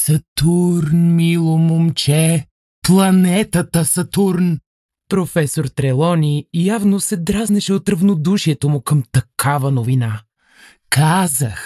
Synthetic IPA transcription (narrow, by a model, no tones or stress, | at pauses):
sɐt̪uɾnmilˠomomt͡ʃɛ | plˠɐnɛt̪ət̪əsɐt̪uɾn | pɾofɛsoɾt̪ɾɛlˠɔnʲijavnosɛd̪ɾaznɛʃɛot̪ɾɐvnod̪uʃiɛt̪omʊkəmt̪ɐkʰavənovina | kazəx